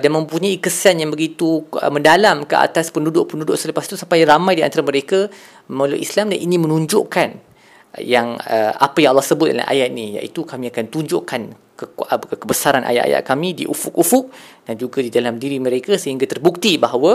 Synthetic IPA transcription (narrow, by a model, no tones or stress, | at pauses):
danmə̃mpuɲaikəsanjaŋbəɡit̪uəmə̃ndalamkəa̰t̪aspəndudʊʔpəndudʊʔsələpast̪usampajramãjdia̰nt̪aɾaməɾeka | məlo̰ʔḭslamdanʔinĩmə̃nũɲd͡ʒʊ̰ʔkan | jaŋəa̰pajaŋalːɔhsəbʊt̪̚da̰la̰ʔa̰jaʔ̪nija̰ʔit̪ukamĩakant̪uɲd͡ʒʊʔkan | kəkəbəsaɾanʔa̰jaʔa̰ja̰ʔkamĩdḭʔufʊk̚ufʊk̚d̥and͡ʒuɡadidalamdiɾiməɾekasəɦiŋɡat̪ərbuk̚t̪ibaɦawa